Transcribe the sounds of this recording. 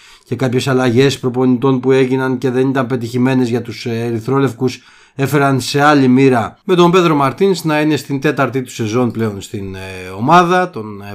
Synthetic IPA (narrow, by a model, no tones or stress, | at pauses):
ce̞kɐpçe̞sɐlɐʝe̞spɾo̞po̞nit̪o̞npue̞ʝinɐnce̞ðe̞nit̪ɐmpe̞t̪̬içime̞ne̞zʝɐt̪useɾiθɾo̞le̞fkus | e̞fe̞ɾɐnse̞ɐlimiɾɐme̞t̪o̞mbe̞t̪ɾo̞mɐɾt̪insnɐine̞st̪int̪e̞t̪ɐɾt̪it̪u̥se̞zo̞nple̞o̞nst̪ino̞mɐðɐt̪o̞n